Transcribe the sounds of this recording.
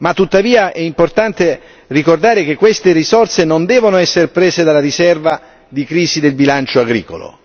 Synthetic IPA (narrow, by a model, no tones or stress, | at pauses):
mat̪ːut̪ːaviːaʔɛimport̪ant̪e | rikord̪aːɾek̟ekːwest̪erisort̪senond̪ɛːvonoɛsːeɾpɾeːsed̪alːaɾisɛrva | d̪ikɾiːsid̪elbilant͡ʃoaɡɾḭːkolo̰